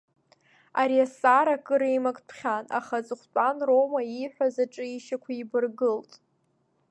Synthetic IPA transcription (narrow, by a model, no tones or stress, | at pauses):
aɾiasaɾakʼɨɾejmakʼpʰχʲana̰χat͡sʼɨχʷt͡pʷʼanromaiħᶣʷazaʈ͡ʂʼɨiʃakʷʰaibɨrɡɨltʼ